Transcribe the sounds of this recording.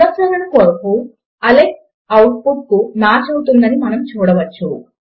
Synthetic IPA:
ɐsɐːɾɐnɐkoːɾɐpu | ɐlek | ɐwʈ̚puʈ̚kumaːt͡ʃɐwut̪und̪ɐnimɐnɐmt͡ʃuːɽɐʋɐt͡ʃːṵ

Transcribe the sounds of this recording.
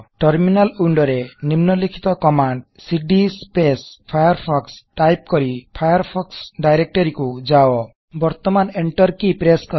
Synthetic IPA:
ʈɔɾminaluɳɖɔɾenimnɔlikʰi̥t̪ɔkɔmaɳɖsiɖispespʰajaɾpʰɔksʈajp̚kɔɾipʰajaɾpʰɔksɖajɾek̚ʈɔɾikud͡ʒaɔ | bɔɾt̪ɔmaneɳʈɔɾkipɾeskɔ

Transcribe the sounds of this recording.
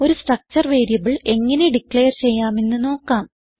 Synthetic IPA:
o̞ɾusʈrɐk̚t͡ɕɐrʋeːɾijɐʋiɭe̞ŋːɐne̞ɖikːɭejɐrt͡ɕe̞jːaːme̞nːɨno̞ːkːaːm

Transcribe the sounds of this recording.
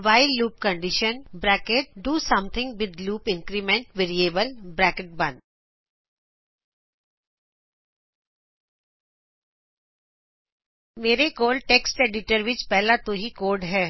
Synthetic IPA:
ʋaːɪlːuːp̚kə̃ɳɖɪʃənbɾɛːkeʈ̚ɖuːsɐ̃mt̪ʰɪ̃ŋɡʋɪd̪luːpɪ̃ŋkɾimɛ̃ɳʈʋeːɾieːbəlbɾɛːkeʈ̚bɐ̃n | meːɾekoːlɖ̚ʈeːksʈeːɖɪʈəɾʋɪt͡ʃpɛɦlat̪oɦikoːɖɦɛː

